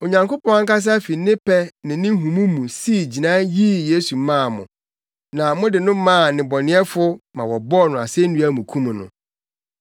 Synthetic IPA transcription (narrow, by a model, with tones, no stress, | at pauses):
o˨ɲã˨ŋko˦pʰɔ̃˦a˦ŋ̩˦ka˦s̬a˦fi˨˦nɪ̃˦pʰɛ˦nɪ̃˨nɪ̃˦ɦũ˨mũ˦mũ˨si˦˨d͡ʑi˨nã˦ji˦je˦su˨˦mã˦˨mʊ̰̃˨ | nã˨mʊ̃˦dɪ˨nʊ̃˦mã˦˨nɪ̃˨bɔ˨nɪ̃˨˦ɛ˦fʊ˦mã˨wɔ˨bɔ˦˨nʊ̃˨a̰˨sɛ˦n̩˦nũ˦æ˦˨mũ˨kʰũ˦m̃˨nʊ̰̃˨